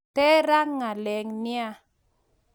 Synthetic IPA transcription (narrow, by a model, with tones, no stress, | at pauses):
tɛ˦ɾa˦ŋːa˨lɛ˨ŋnɪ˦a˦